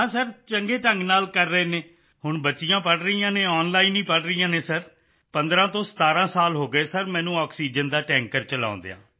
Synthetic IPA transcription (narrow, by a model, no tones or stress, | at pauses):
ɦãːsəɾt͡ʃəŋɡeːʈəŋɡnaːlkəɾːəeːneː | hʊɳbətːʃɪjãːpəɽɾəijãːneːɔːnlaːiːniːpəɽɾəijãːneːsəɾ | pənd̪ɾãːt̪õːsə̥t̪aːɾãːsaːlɦoːɡəeːsəɾmɛ̃ːnũːɔːksiːd͡ʒənd̪aːʈɛ̃ːŋkəɾt͡ʃəlã̰ːnd̪ḛːã̰ː